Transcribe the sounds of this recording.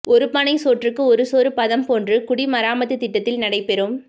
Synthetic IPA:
ɔɾɯpɐnɐɪsoːʈrɯkːɯɔɾɯsoːɾɯpɐðɐmpoːndrɯkʊɽimɐɾaːmɐt̪ːɯt̪ːɪʈːɐt̪ːɪlnɐɽɐɪpɛɾɯm

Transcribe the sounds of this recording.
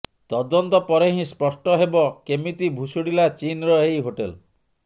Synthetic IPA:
t̪ɔd̪ɔnt̪ɔpɔɾeɦĩspɔsʈɔɦebɔkemit̪ibʱusoɽilat͡ʃinɾɔɦejɦoʈel

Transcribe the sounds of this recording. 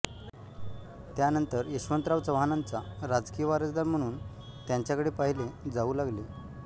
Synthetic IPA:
t̪janənt̪əɾjeɕʋənt̪ɾaʋt͡səʋɦanant͡saɾad͡zkijəʋaɾəd͡zd̪aɾm̤əɽ̃uːn | t̪jaɲt͡ɕjakəɽepaɦiled͡zauːlaɡle

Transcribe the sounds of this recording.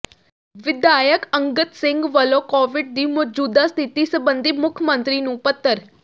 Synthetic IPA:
ʋɪd̪aːjəkə̃ŋɡət̪sɪ̃ŋɡʋəloːkoːʋɪɖ̚d̪iːmɔːd͡ʒuːd̪ast̪ʰɪt̪iːsəbənd̪iːmʊkʰjəmə̃nt̪ɾiːnũːpət̪ːəɾ

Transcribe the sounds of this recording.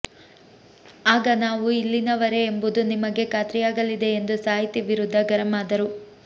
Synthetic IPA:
aːɡɐnaːʋuilːinɐʋɐɾe̞ːmbud̪unimɐɡe̞kaːt̪ɾijaːɡɐlid̪e̞end̪usaːɦit̪iʋiɾud̪ʱːɐɡɐɾɐmaːd̪ɐɾu

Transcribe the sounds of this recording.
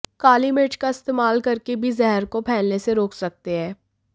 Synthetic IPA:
kaːlimeːʈkaɪst̪eːmaːlkɐɾkebʱizɛɦɛɾkopʰɛːlneseɾoːksɐk̚t̪eɦɛː

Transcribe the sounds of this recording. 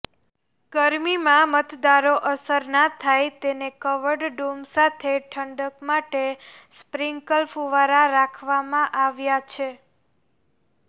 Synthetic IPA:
ɡ̥əɾmimãmət̪d̪aɾoʔəsəɾnat̪ʰajt̪enekəʋəɾɖɖumsat̪ʰeʈʰəɳɖəkmaʈespɾiŋɡkəlfuʋaɾaɾakʰʋamãʔaʋjat͡ʃʰe

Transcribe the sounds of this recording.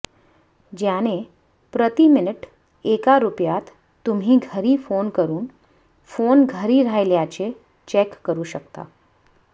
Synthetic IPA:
d͡ʑjane | pɾət̪imɪnəʈ | eːkaɾupjat̪ | t̪ːumɦĩɡʱəɾifoːnkəɾuːn | foːnɡʱəɾiɾajljat͡ɕe | t͡ɕekːəɾuʃək̚t̪a̰

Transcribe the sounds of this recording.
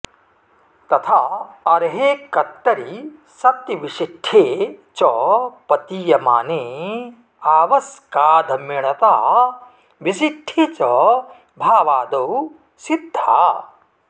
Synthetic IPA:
t̪ɐt̪ʰaːɐɾɦeːkːɐt̪ːɐɾi | sɐt̪jɐʋiʃiʈʰːeːt͡ʃɔpɐt̪ijɐma̰ːneː | aːʋɐskaːd̪ʱɐmiɳɐt̪aː | ʋis̬iʈʰːit͡ʃɔ | bʱaːʋaːd̪ow | sid̪ʱːa̰ː

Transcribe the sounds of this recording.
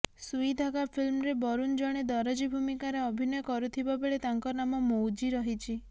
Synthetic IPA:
suid̪ʱaɡapʰilmɔɾebɔɾund͡ʒɔɽ̃ed̪ɔɾɔd͡ʒibʱumikaɾeɔbʱinɔjɔkɔɾut̪ʰibabeɭet̪aŋkɔnamɔmowd͡ʒiɾɔɦit͡ʃʰi

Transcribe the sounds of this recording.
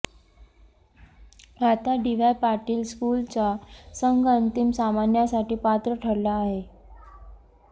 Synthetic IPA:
ɡʱat̪aɖiʋajpaʈiːlskult͡sasəŋɡənt̪imsamanjasaʈiːpat̪ɾəʈʰəɽlaːɦe

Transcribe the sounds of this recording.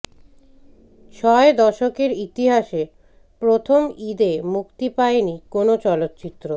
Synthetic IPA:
ʃʰɔed̪ɔʃokeɾit̪iɦaʃe | pɾot̪ʰomid̪emukt̪ipaenikonot͡ɕɔlot̪ːt͡ɕit̪ːɾo

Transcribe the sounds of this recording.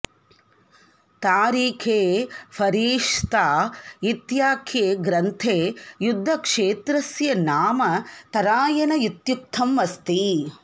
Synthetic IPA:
t̪aːɾiːkʰeːpʰɐɾiːʂt̪aːit̪jaːkʰjeːɡɾɐnt̪ʰeːjud̪ʱːɐkʂeːt̪ɾɐsjɐnaːmɐt̪ɐɾaːjɐnɐjut̪juk̚t̪ʰɐmʋɐst̪i

